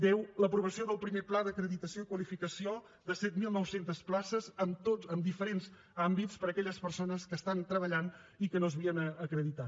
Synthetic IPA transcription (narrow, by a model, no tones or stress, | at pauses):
d̪ɛwləpɾuβ̞əsioðəlˠpɾimeplaðəkɾəðit̪əsioikwəlifikəsio | ðəsɛt̪milˠnɔwsent̪əsplasəzəmt̪oəmd̪ifəɾenz | ambit͡spəɾəkɛʎəspəɾsonəskəst̪ant̪ɾəβəʎanikənozβiənəːkɾəðit̪a